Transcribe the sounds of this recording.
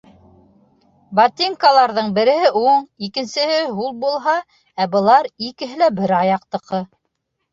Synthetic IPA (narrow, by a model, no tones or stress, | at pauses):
bat̪ʲiŋkalˠɑɾðɤɴbɘ̆ɾɘ̆ɦɘʔuɴikɘ̆nsɘ̆hɘɦulˠbulˠɦɑ | æbɤ̆lˠɑɾikɘ̆ɦɘlæbɘɾɑjɑq̚t̪ɤ̆qɤ